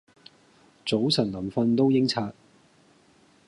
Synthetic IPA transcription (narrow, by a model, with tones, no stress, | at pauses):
t͡so˨˥wsɐ˨˩nlɐ˨˩mfɐ˧nt̪o˥wjɪ˥ŋt͡sʰaː˧t̚